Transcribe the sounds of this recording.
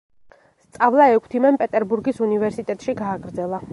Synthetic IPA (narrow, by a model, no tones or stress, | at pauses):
st̪sʼavlˠaɛkʰt̪ʰimɛnpʼɛt̪ʼɛɾbuɾɡisunivɛɾsit̪ʼɛt̪ʼʃiɡaːɡɾd̪zɛlˠa